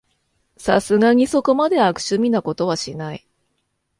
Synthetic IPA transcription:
sa̰sɨɡaɲ̟iso̞ko̞mad̪e̞akɯ̟̥ɕɨmʲinako̞t̪o̞βaɕinai

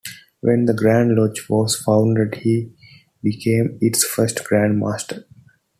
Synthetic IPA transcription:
ʋɛ̃nd̪əɡɾæ̃ːɳɖlɔːt͡ʃʋɔːzfãʊ̃ɳɖeɖhiː | bikʰẽːmɪʈsfəɾsʈɡ̥ɾæ̃ɳɖma̰ːsʈʰəɾ

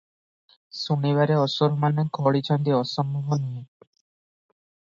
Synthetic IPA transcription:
suniβaɾeɔsoɾomanekʰɔɽit͡ɕʰɔnd̪iɔʃɔmbɔɦonie

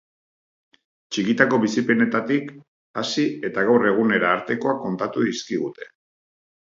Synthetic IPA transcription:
t͡ʃikit̪ako̞βisipe̞ne̞t̪at̪ik | asie̞t̪aɣawre̞ɣ̞une̞ɾaːɾt̪e̞ko̞ako̞nt̪at̪uðiskiɣ̞ut̪e̞̥

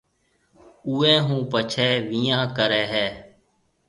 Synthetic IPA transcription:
uːɛ̃ːɦũːpət͡ʃʰɛːʋiːãːkəɾɛːɦɛː

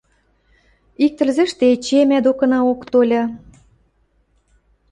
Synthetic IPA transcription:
ik̚t̪ə̆lzĕʃt̪et͡ɕemæd̪okɤ̆nɑokt̪olʲɑ

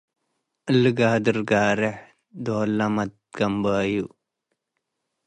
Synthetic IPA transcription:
əlɡaːd̪əɾɡaːɾeħ | d̪oːlɐmɐt̪̚ɡ̥ɐmbaːju

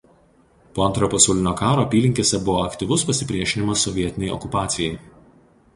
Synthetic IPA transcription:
poːɐnt̪ɾɐjoːpɐsɐʊlʲɪnʲoːkɑːɾoːɐpʲiːlʲɪŋʲkʲeːsʲɛbʊʋoːɐkt̪ʲɪʋʊspɐsʲɪpʲɾʲiɛʃʲɪnʲɪmɐsːɔʋʲiɛt̪ʲɪnʲɛɪɔ̰kʊpɑːt̪sʲɪjɛɪ

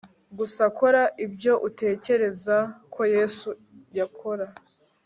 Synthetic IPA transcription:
ɡusako̞ɾaʔibɟo̞ʔute̞ːce̞ɾe̞zakʰo̞jeːsujakʰo̞ɾa

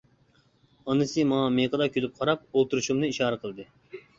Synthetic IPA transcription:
ɑnɨsɨmɑŋɑmeqəd̪ɑkʲʰølyp̚qʰɑɾɑp̚olˠt̪uɾuʃumnɨiʃɑːɾɨqʰəlˠd̪ɨ

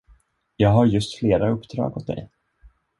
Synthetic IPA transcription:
jɑːɡɦaɾjɵst̪fleːɾaɵpːd̪̥ɾɑ̰ːɡɔt̪̚d̪ɛ̰j

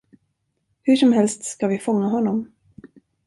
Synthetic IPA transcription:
hɵʂɔmɦɛlst̪skavɪfɔŋːaɦɔnːɔm

